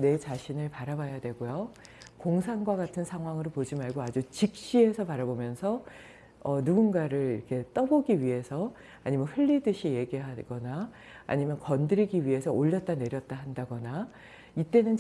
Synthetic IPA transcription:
ne̞t͡ɕaɕʰinɯɭpaɾabajadwe̞ɡojo | koŋsʰanɡwaɡatʰɯnsʰaŋɦwaŋɯɾopod͡ʑimaɭɡoad͡ʑut͡ɕik̚ɕ͈iɦe̞sʰʌpaɾabomjʌnsʰʌ | ʌnuɡunɡaɾɯɾiɾʌkʰe̞t͈ʌboɡiɥiɦe̞sʰʌ | aɲimjʌnɸɯʎːidɯɕʰije̞ɡiɦaɡ̥ʌna̰ː | ɲimjʌnkʌndɯɾiɡiɥiɦe̞sʰʌoʎːʌt̚t͈ane̞ɾjʌt̚t͈aɦandaɡʌna | it͈e̞nɯn

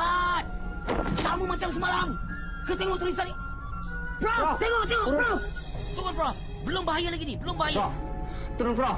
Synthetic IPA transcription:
at̪̚ | samumat͡ʃams̬əmalam | sət̪eŋɔt̪uɾis̬ani | pɾɔt̪ɛŋɔt̪ɛŋo | t̪uʊnpɾɔf | bəlʊmbaɦajalaɡinibəlʊmbaɦaja | t̪uɾʊnpɾɔ

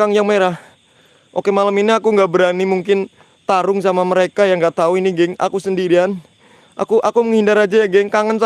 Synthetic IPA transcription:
aŋjaŋmeɾah | ʔokemaləminiakuŋɡaʔbəɾanimuŋkɪn | t̪aɾʊŋs̬amaməɾekajaŋɡat̪auiniɡɛŋa̰kusəndiɾian | ʔa̰kuʔakuməŋhindaɾad͡ʒajaɡɛŋkaŋənsa

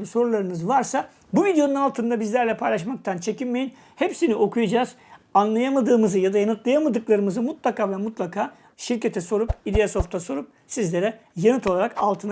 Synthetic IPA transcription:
so̞ɾulˠaɾɯnɯzvaɾsa | buvid̪jo̞nunalˠt̪ʰɯnd̪abizlʲæɾlʲɛpʰajlˠaʃmak̚t̪ʰant͡ʃʰe̞cinme̞jin | hepsiniʔo̞kʰujad͡ʒaːzanlˠajamad̪ɯːmɯzɯjad̪ajanɯt̪lˠajamad̪ɯklˠaɾɯmɯzɯmut̪lˠakaːvɛmut̪lˠakʰaː | ʃiɾcʰet̪ʰɛso̞ɾupilʲijaso̞ft̪ʰaso̞ɾup̚ | sizlʲeɾɛjanɯt̪ʰolˠaɾakalˠt̪ʰɯn

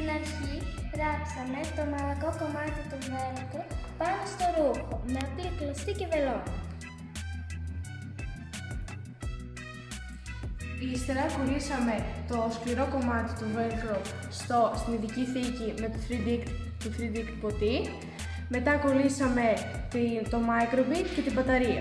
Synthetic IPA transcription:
st̪inɐɾçivɾɐksɐme̞t̪o̞mɐlɐko̞ko̞mɐt̪it̪ovelkɾopɐnost̪o̞ɾuxonɐpiklest̪icevelo | ist̪e̞ɾɐko̞lisɐme̞t̪o̞skliɾo̞ko̞mɐt̪i̥t̪uvelkɾop | st̪ost̪iniðiciθicime̞t̪oθɾid̪ik | t̪uθɾid̪ik̪po̞t̪i | me̞t̪ɐko̞lisɐme̞ | t̪t̪o̞mɐjkɾovit̪ce̞t̪ibɐt̪ɐɾiɐ̰

